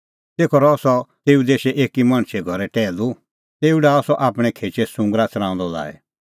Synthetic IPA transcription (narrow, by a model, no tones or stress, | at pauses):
t̪eːkʰɔɾɔsɔt̪eːud̪eːʃeʔeːkimãɳ̃ʃʰɛɡʱɔɾɛʈɛːlu | t̪eːuɖaːɔsɔʔaːpɽ̃ɛ̃kʰeːt͡ʃesʊ̃ŋɡɾat͡sɾãːʊ̃nd̪ɔla̰ːɛ̰